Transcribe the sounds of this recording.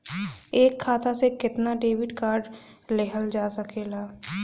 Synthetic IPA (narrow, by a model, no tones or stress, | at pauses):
eːkʰːaːt̪asekɪt̪naɖeːwɪɖkaːɾɖleɦəld͡ʒaːsəkeːlaː